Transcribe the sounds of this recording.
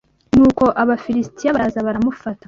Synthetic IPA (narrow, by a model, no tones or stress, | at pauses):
nuːko̞ʔaβafiɾistijaβaɾazaβaɾamufatḁ